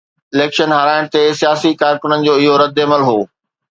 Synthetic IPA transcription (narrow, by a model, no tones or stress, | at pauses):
ɪleːkʃənɦɐɾaːɪɽ̃t̪esijaːsikaːɾkʊnənɪ̆d͡ʑoːɪɦoːɾɐd̪eməlɦoː